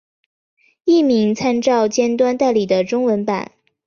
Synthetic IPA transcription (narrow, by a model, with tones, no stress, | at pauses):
i˥˩mi˧˥ŋt͡sʰa˥nʈ͡ʂɑ˥˩ʊt͡ɕjɛ˥nt̪wa˥nt̪a˥˩ɪli˨˩d̪ə˦ʈ͡ʂʊ˥ŋwə˧˥npa̰˨˩˦n